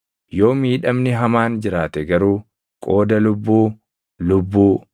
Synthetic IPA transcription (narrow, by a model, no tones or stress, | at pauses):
jo̞ːmiːᶑɐmnɪɦɐmaːnd͡ʒɪɾaːt̪ɛɡɐɾuː | kʼo̞ːd̪ɐlʊbːuː | lʊbːuː